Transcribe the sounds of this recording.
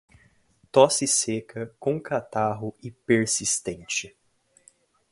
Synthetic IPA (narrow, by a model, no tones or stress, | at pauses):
t̪ɔsɪsekʰɐkõkat̪aɦʊɪpeɾsist̪ẽnt͡ʃɪ